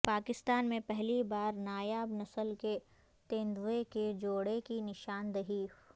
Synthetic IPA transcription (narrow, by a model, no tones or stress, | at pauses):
paːkɪst̪aːnmẽpɛɦlibaːɾnaːjaːbnɐsəlke | t̪ẽːnd̪ʋeked͡ʒoːɽekinɪʃaːnd̪ɐɦiːf